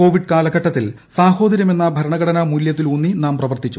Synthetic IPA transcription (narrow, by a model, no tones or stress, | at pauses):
o̞ːʋiɖkaːlɐɡɐʈːɐt̪ːil | saːho̞ːd̪ɐɾjɐme̞nːɐbʱɐɾɐɳɐɣɐɽɐnɐmuljɐt̪̬ːilunːinaːmprɐʋɐrt̪it͡ɕːu